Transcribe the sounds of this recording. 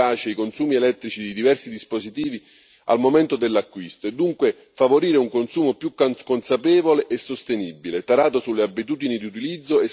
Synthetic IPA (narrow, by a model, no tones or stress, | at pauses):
aːt͡ʃeikonsuːmielɛt̪ːɾit͡ʃid̪id̪ivɛrsid̪ispozit̪iːvi | a̰lmomɛnt̪od̪elːeakːwist̪oed̪ːuŋkwe | favoɾiːɾeuŋkonsuːmopjukːkːonsapɛːvoleʔesːost̪enibːilet̪aɾaːt̪osulːeabːit̪̬uːd̪inid̪iut̪ilid̪zːoe